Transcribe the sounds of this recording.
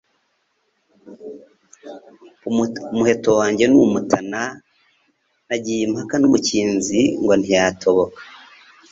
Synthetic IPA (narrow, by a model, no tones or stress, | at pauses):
umuhe̞to̞waːɲɟe̞numutʰana | naɟiimhakanumuciːnziŋɡo̞n̥ijatʰo̞βo̞kḁ